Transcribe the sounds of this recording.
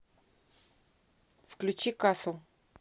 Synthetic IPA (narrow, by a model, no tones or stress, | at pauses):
fklʲʉt͡ɕikaslˠ